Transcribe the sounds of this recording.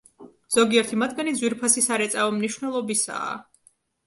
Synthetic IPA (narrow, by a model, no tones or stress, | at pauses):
z̥ɔɡiɛɾt̪ʰimat̪ʰɡanid̪zwiɾpʰasisaɾɛt̪sʼavɔmniʃwvnɛlˠɔbisa̰ː